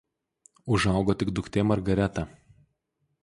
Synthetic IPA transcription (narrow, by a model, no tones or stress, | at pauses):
ʊʒɑˑʊɡoːt̪ʲɪɡd̪ʊkt̪ʲeːmɐɾɡɐɾʲæt̪ɑ